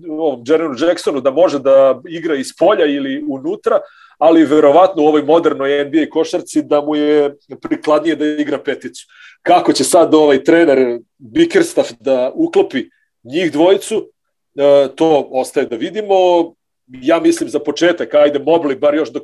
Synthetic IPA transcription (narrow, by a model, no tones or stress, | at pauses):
oʋomd͡ʒeɾenud͡ʒeksonud̪amo̞ʒed̪aiɡɾaispo̞ʎailiunuːt̪ɾaː | liʋeɾo̞ʋat̪nouoʋo̞jmo̞d̪eɾnojembieiko̞ʃaɾt̪sid̪amujepɾiklˠad̪nije̞d̪aiɡɾapet̪it̪su̥ | kako̞t͡ɕe̞sad̪o̞ʋajt̪ɾeːneɾ | bikeɾst̪afd̪auklˠopi | ɲiːxd̪ʋo̞jit̪su | t̪oːo̞st̪ajed̪aʋid̪imo̞ | jaːmislimzapo̞t͡ʃeːt̪akajd̪e̞mo̞blibaɾjo̞ʃd̪o